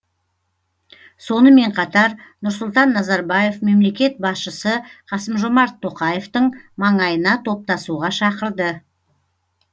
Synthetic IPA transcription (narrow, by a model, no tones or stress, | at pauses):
so̞nəme̞ɴqʰɑt̪ɑɾnʊɾsʊlˠt̪ɑnːɑzɑɾbɑje̞fme̞mle̞kʲe̞t̪̚bɑsʃəsəqʰɑsəmʒo̞mɑɾt̪ʰːo̞qɑjeft̪əɴmɑɴɑjənɑt̪ʰo̞p̚t̪ɑsuʁɑʃɑqəɾd̪ə